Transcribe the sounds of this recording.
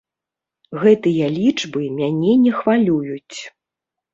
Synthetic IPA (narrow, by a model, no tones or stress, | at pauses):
ɣɛt̪ɨjɐlʲit͡ʂbɨmʲanʲɛnʲɛxvalʲujut͡sʲ